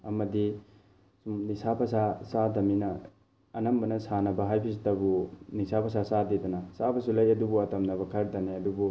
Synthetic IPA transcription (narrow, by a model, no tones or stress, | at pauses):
ɐmɐdi | umnisapʰɐsasadɐminɐː | nɐmbɐnɐsanɐbɐɦajpʰis̬tɐbunisapʰɐsasadidɐnɐsabɐsulɐjɐdubuɐtɐmnɐbɐkʰɐɾtɐneɐdubu